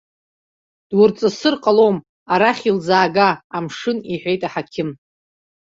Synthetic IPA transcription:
d̥wʊrt͡sʼɨsɨrqʼalom | aɾaχʲild͡zaːɡaːmʂɨniħʷᶣejtʼaħakʲʰɪm

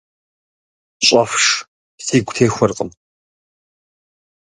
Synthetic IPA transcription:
ɕʼɐfʂ | siːɡʷtʰeːxʷʊrqʼəm

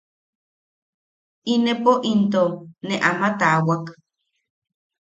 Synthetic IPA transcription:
inepoʔint̪oneʔamat̪awak

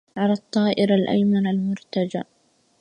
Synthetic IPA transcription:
ʕalat̪ˤːɑːʔɪɾalʔa̰jmanalmʊɾt̪ad͡ʒaʔ

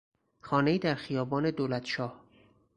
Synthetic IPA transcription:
xɒːne̞iːd̪æɾxijɒːbɒːne̞d̪oːlæt̪ʃɒːh

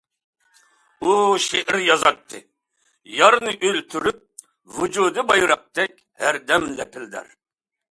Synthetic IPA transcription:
uʃeʔiɾjɑzɑt̪ʰːɨ̰ | jɑɾnɨʔølt̪ʰyɾyp̚ | vud͡ʒud̪ɨbɑjɾɑq̚t̪ɛk̚ʲ | hæɾd̪ɛmd̪ɛpʰɪld̪æ̰ɾ

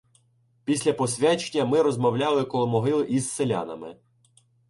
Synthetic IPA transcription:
pʲisʲlʲɐpɔsʲʋʲɛt͡ʃenʲːɐmɪɾɔzmɔwlʲɑlˠɪkɔlˠɔmɔɦɪlˠɪʔiz̥selʲa̰nɐ̰mɪ̰

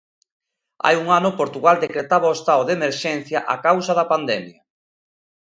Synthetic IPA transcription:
a̰juŋanʊpoɾt̪uɣald̪ekɾet̪aβaoest̪aoðemeɾʃɛn̟θjɐʔakawsɐðɐpand̪ɛmjɐ

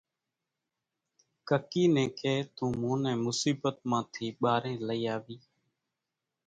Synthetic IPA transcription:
kəkiːnẽːkʰeːt̪ũːmũːnɛ̃ːmʊsiːbət̪̚mãːt̪ʰiːɓaːɾẽːləiːaːʋiː

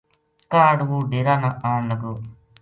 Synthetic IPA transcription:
kaːɖwuɖiɾaːnaʔanːɐɡu

